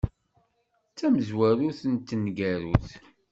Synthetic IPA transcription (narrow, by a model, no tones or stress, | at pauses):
t͡sːæməzwæɾuθənt̪ːənɡæɾuθ